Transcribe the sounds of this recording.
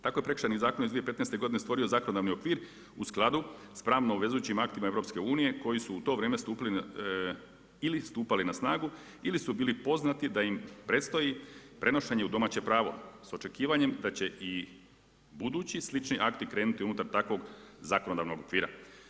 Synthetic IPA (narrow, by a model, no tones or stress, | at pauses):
t̪ako̞jepɾekɾ̥ʃanizaːkonizd̪ʋije̞pe̞t̪nejst̪e̞ɡo̞d̪ine̞st̪ʋo̞ɾio̞zako̞nod̪aʋnio̞kʋiːɾ | usklˠad̪uspɾaːʋnoʋe̞zujut͡ɕimakt̪imae̞ʋɾo̞pske̞uːnije̞ko̞jisuːt̪o̞ʋɾeːme̞st̪uːpili | ilist̪uːpalinasnaːɡu | ilisubiːlipo̞znat̪id̪aimpɾe̞t̪st̪o̞jipɾʔe̞no̞ʃeɲe̞ud̪o̞maːt͡ɕe̞pɾaːʋo̞̰so̞t͡ʃe̞kiːʋaɲe̞md̪at͡ɕe̞ʔi | bud̪uːt͡ɕislit͡ʃniʔakt̪ikɾe̞ːnut̪iunut̪aɾt̪akʋo̞ɡzako̞nod̪aʋno̞ɡo̞kʋiːɾa̰